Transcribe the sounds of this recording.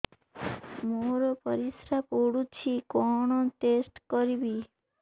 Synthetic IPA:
moɾɔpɔɾisɾapoɽut͡ʃʰikɔɽ̃ɔt̪esʈkɔɾibi

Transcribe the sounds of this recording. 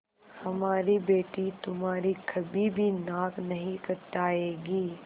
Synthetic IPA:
hɐmaːɾibeːʈit̪ʊmɦaːɾikʰɐbibʱinaːknɐɦĩkɐɾt̪aːeːɡiː

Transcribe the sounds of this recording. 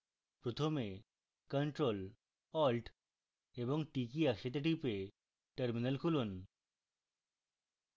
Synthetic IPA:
pɾot̪ʰome | kəɳʈɾol | ɔlɖ | eboŋʈikiakʃet̪̬eʈ̬ipe | ʈəɾminalkʰulun

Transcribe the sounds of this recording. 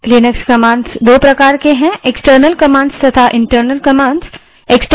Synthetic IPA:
linəkskɐmãːɳɖzd̪oːpɾɐkaːɾkeɦɛ̃ʔeksʈəɾnəlkɐmãːɳɖst̪ɐt̪ʰaʔɪ̃ɳʈəɾnəlkɐmãːɳɖs | eksʈ

